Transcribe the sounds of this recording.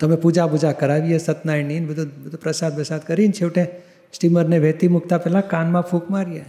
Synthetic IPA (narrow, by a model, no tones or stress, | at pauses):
t̪əmepud͡ʒapud͡ʒakəɾaʋijesət̪najninbəd̪ʱubəd̪ʱupɾəsad̪̚bəsad̪̚kəɾint͡ʃʰeuʈe | sʈiməɾneʋɛt̪imuk̚t̪apɛlãkanmãpʰukmaɾje